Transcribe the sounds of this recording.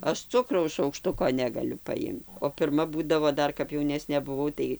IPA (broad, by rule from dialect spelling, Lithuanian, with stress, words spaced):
ˈɐʃ ˈt͡sʊkrɐʊs ʃɐʊkˈʃtʊkoː nʲɛɡɐˈlʲʊ pɐˈɪmt oː pʲɪrˈmɐ ˈbuːdɐʋoː ˈdɐr kɐp jɛʊˈnʲæːsʲnʲeː bʊˈʋɐʊ tɐɪ